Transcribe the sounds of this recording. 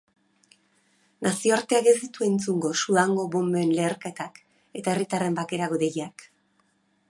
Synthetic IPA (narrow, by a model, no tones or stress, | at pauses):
nasio̞aɾt̪eaɣezit̪ue̞nt͡suŋɡo̞suðaŋɡo̞βo̞mbeːnle̞ːɾket̪ak | e̞t̪ae̞rit̪are̞mbake̞ɾaɣoðejak